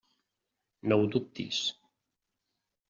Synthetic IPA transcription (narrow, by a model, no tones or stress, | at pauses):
nɔwd̪up̚t̪ḭs